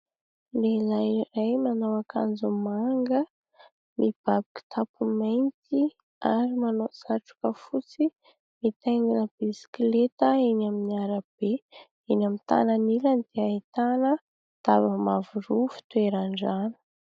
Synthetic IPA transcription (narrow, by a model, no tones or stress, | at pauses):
lelajɾajmanawakand͡zumaŋɡə | mib̥abiki̥t̪ʰapumajnt̪i | aɾimanoz̥aʈ͡ʂu̥kəfut͡si | mit̪eŋɡinəb̥isi̥klet̪əinaminiaɾab̥e | inamint̪a̰naniland̪eait̪anə | t̪abəmavuɾufi̥t̪ueɾaɳɖ͡ʐanə̥